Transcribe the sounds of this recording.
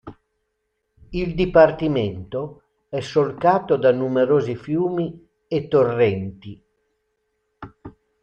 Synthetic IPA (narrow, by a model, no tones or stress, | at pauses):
ild̪ipart̪iment̪o | ɛsːolkaːt̪od̪anːumeɾoːzifjuːmi | et̪ːorːɛnt̪i